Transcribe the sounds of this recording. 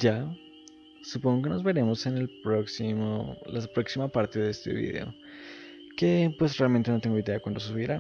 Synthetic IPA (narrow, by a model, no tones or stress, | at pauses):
d͡ʒa | supo̞ŋɡo̞k̬e̞no̞zβe̞ɾe̞mo̞se̞nelpɾoksimolapɾo̞ksimapaɾt̪e̞ðeest̪e̞̰βḭðe̞̰o̞̰ | ke̞pwe̞srealment̪e̞no̞t̪eŋɡo̞iðe̞akwand̪o̞s̬uβiɾa